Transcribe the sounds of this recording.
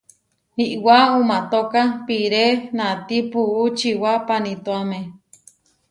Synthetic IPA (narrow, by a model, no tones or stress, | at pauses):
hiʔwaumat̪okapiɾenat̪ipuʔut͡ʃiwapanit̪oame